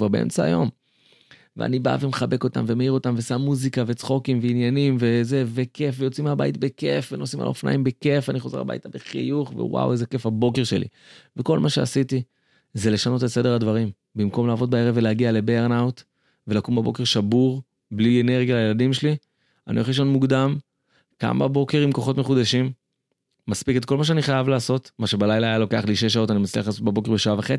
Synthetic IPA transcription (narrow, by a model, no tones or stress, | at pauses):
vaʁbeḛmt͡saa̰jo̞m | vḛa̰niba̰vemeχabe̞ko̞t̪a̰mve̞meiʁo̞t̪amvesamːuzikave̞t͡sχo̞kimveinjanimve̞ze̞ve̞ke̞fve̞jo̞t͡simaba̰jitbeke̞fveno̞sima̰l̰ofna̰jimbeke̞faniχo̞ze̞ʁla̰ba̰jtabeχḭjuχvḛwa̰wezeke̞fabo̞ke̞ʁʃe̞lḭ | veko̞lmaʃe̞asiti | ze̞le̞ʃano̞tetse̞de̞ʁhadvaʁim | bimko̞mlaːvo̞t̪̚bae̞ʁevːeleaɡiale̞beʁnawt̪ | ve̞lakumbebo̞keʁʃabuʁ | blieneʁɡjalajeladimʃeli | anḭo̰χliʃonmuɡd̪am | ka̰ma̰bo̞ke̞ʁimko̞χo̞tmeχud̪aʃimː | aspiketko̞lmaʃeaniχajavlaːso̞t̪maʃe̞balajlaajalo̞ke̞aχliʃ̬e̞ʃ̬ao̞tanimat͡sliaχlaːsot̚bebo̞ke̞ʁbeʃaavaχe